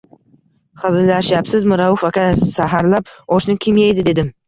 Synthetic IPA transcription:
χɨzɪlaʃjapsɪzmʊɾawʊfakʲasaɦaɾlap̚ɒʃnɪkʲʰɪmjajd̪ɪd̪e̞d̪ɪm

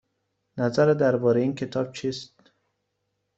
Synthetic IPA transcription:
næzæɾed̪æɾbɒːɾeiːnkʰe̞t̪ʰɒːb̥̚t͡ʃʰiːst̪

